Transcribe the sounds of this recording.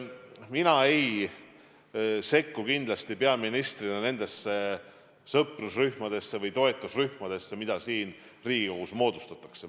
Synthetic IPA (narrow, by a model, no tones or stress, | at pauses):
minɑe̞j | se̞kːukind̪lɑst̪ipeɑminist̪rinɑne̞nd̪e̞sːe̞ | sɤprusryhmɑd̪̥e̞sːe̞vɤjt̪o̞et̪ˑːusryhmɑd̪̥e̞sːe̞mid̪̥ɑsiːn | riːɡ̥iohusmo̞ːd̪̥u̥st̪ɑt̪ːˑɑ̥kse